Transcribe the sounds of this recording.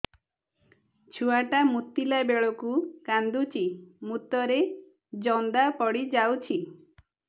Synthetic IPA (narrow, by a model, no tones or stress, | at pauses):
t͡ʃʰuaʈamut̪ːilabeɭɔkukand̪ut͡ʃimut̪ɔɾe | d͡ʒɔnd̪apɔɽid͡ʒawt͡ʃʰi